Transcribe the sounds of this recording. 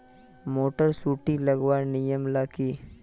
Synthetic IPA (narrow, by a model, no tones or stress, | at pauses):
moːʈəɾsuːʈiləɡwaːɾnijəmlaːkiː